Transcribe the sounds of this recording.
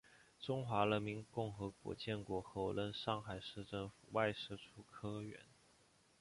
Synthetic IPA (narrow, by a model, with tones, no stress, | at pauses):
ʈ͡ʂʊ˥ŋxwa˧˥ɻə˧˥nmi˧˥nkʊ˥˩ŋxɤ˧˥kwɔ̰˧˥t͡ɕjɛ˥˩nkwɔ˧˥xɤ˧˥ʊlə˧˥nʂɑ˥˩ŋxa˨˩ɪʂɻ̩˥˧ʈ͡ʂɤ˥˩ŋfu˨˩wa˥˧ɪʂɻ̩˥˩ʈ͡ʂʰu˥kʰɤ˥ɥɛ̰˧˥n